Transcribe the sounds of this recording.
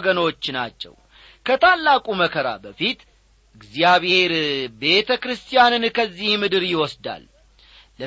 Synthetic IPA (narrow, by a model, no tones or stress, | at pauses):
ɡəno̞t͡ʃːna̰t͡ʃːɛ̰w | kʰət̪ʰalːakʼuməkʰəɾa̰bəfit̪ | ʔɨɡzjaβheɾbe̞t̪ʰəkɾɨst̪ʰijanɨnkʰəzːihmɨd̪ɨɾjɪwɔsd̪a̰lː | ə